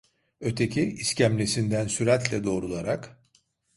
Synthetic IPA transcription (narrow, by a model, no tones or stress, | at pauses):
ø̞t̪ʰe̞cʰiiscʰæmlʲesind̪ænsyɾæt̪lʲɛd̪o̞ːɾulˠaɾak